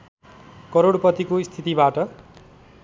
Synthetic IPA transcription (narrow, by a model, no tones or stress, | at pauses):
kʌɾoɽpʌt̪ikoist̪ʰit̪ibaʈʌ